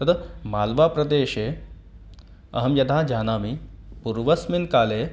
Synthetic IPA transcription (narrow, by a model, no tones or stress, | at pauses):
t̪ɐt̪ɐmaːlʋaːpɾɐd̪eːʃe | ɐ̰ɦɐmjɐd̪ʱaːd͡ʒaːnaːmipuɾʋɐsminkaːleː